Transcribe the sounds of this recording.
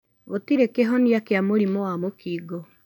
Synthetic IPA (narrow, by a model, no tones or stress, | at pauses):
otiɾekeɦɔniakeamoɾimɔwamokiːɡɔ